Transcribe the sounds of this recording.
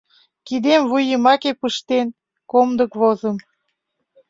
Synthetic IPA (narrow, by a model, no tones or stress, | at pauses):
kid̪emvujəmɑkepəʃt̪en | komd̪əkβozəm